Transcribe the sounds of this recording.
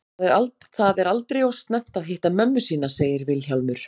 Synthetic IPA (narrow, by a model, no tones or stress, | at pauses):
ðɛɾaltθaðɛɾalt̪ɾejowst̪nɛm̥t̪aðɦɪht̪amœmːʏsiːnaseːjɪɾvɪlçawlmʏɾ̥